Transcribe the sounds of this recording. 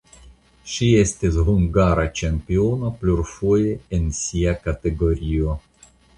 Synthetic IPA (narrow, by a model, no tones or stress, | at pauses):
ʃie̞stisɦuŋɡaɾat͡ʃempio̞nopluɾfoje̞ensiakate̞ɡo̞ɾio̞